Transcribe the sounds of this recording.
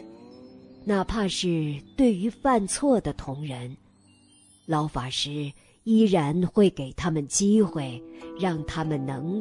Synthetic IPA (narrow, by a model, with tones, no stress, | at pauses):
na˥˧pʰa˥˧ʂɻ̩˥˧t̪we˥˩ɪy˧˥fa˥˧nt͡sʰwɔ˥˩d̪ə˩t̪ʰʊ˧˥ŋɻə˧˥n | lɑ˧˥ʊfa˨˩ʂɻ̩˥ | i˥ɻa˧˥nxwe˥˩ɪke˨˩ɪt̪ʰa˥mə˨nt͡ɕi˥xwe˥˩ɪɻɑ˥˩ŋt̪ʰa˥mə˨nnɤ˧˥ŋ